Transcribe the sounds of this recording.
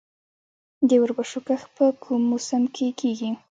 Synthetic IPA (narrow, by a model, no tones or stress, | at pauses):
d̪əwəɾbaʂukaxpəkʰumːʊsəmkʰekʰeɡi